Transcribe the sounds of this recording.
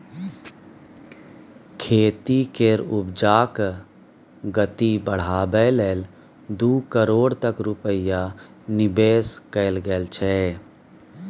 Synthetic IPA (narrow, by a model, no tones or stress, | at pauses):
kʰeːt̪ikeɾʊbd͡ʒaːk | ɡət̪ibəɽ̤aːbɛleːl | d̪uːkəɾoːɽt̪əkɾʊpəja | nɪbeːskəɪlɡəlt͡ʃʰɛ